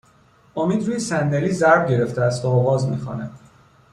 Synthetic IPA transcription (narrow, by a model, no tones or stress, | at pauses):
omiːd̪ɾuːjesænd̪eliːzæɾbɟe̞ɾe̞ft̪eæst̪vɒːɣɒːzmḭːxo̰næd̪